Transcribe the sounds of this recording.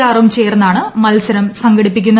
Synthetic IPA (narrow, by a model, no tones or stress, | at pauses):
aːrʋumt͡ɕe̞ːrɐnːaːɳɨmɐlsɐɾɐmsɐŋɡɐɽipːik̬ʲːunːɐ